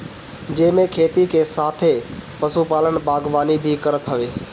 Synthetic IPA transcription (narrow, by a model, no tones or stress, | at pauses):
d͡ʒẽːmẽkʰeːt̪ikʰeːsaːt̪ʰepəsupaːlənbaːɡʋaːnibʱikəɾət̪ʰəʋeː